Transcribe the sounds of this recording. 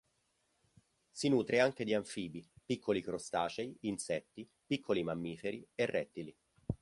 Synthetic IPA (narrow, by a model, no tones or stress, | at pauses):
sinuːt̪ɾeaŋk̟ed̪iaɱfiːbipikʰːolikɾost̪aːt͡ʃeiːnsɛt̪ːi | pikʰːolimamːiːfeɾierːʔɛt̪ːili